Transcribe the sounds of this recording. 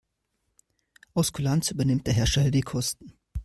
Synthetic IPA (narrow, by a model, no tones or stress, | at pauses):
ʔɔskʰulantsʔyːbɐnɪmt̚d̥eːɐɦɛɐʃɛldiːkʰɔstn̩